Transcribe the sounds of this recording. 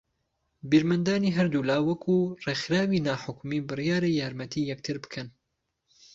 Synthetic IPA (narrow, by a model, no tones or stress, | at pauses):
biɾmɨnd̪aːniːɦɐɾd̪ulaːwɐkʰuːreːxɾaːwiːnaːħʊkmiːbɨrjaːɾejaːɾmɐt̪ʰiːjɛk̚t̪ʰɨɾbɨ̥kʰɐn